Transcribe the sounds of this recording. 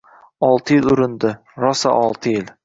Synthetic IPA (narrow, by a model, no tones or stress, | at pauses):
ɒlˠt̪ʰɪjɪlʊɾɪnd̪ɪ | ɾɒsa̰ʔɒlˠt̪ʰɪjɪl